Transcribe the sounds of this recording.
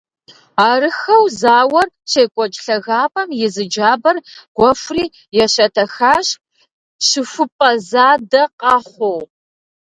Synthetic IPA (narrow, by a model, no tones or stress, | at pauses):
aːrɨxɐwzaːwɐr | ɕeːkʷʼɔt͡ʃʼɬɐɣaːpʼɐmjɪzɨd͡ʒaːbɐrɡ̥ʷɔfriː | jɛɕɐtʰɐxaːɕ | ɕɨfɨpʼɐzaːdɐqɑːχʷow